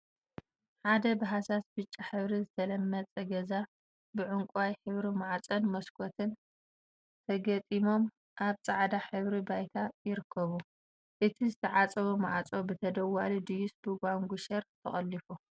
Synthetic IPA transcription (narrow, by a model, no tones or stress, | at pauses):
ħad̪ɐbɨɦasasbɨt͡ʃʼːaħɨβɾizɨt̪ʰɐlɐmːɐt͡sʼɐɡɐza | bɨʕʊŋkʼajħɨβɾimaʕat͡sʼɐnmɐskʰot̪ʰɨn | t̪ʰɐɡɐt̪ʼimo̞m | ʔaβt͡sʼaʕd̪aħɨβɾibajt̪ʰajɪɾɨkʰːɐβu | ʔɨt̪ʰizɨt̪ʰɐʕat͡sʼɐβuma̰ʕat͡sʼo̞bɨt̪ʰɐd̪ɐwːalud̪ɨjusbɨɡʷaŋɡʷuʃɐɾt̪ʰɐχʼɐlːifu